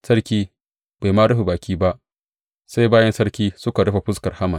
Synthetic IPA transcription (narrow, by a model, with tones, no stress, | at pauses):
sɐ˦ɽkʲiː˦ | ba˨jmaː˦ɽɐ˦ɸi˨baː˨kʲiː˦ba˦ʔ | sa˦jbaː˦jɛ˦nsɐ˦ɽkʲiː˦sʊ˦ka˨ɽɐ˦ɸa˨ɸʊ˦skɐ˨rha˦mɐ˨n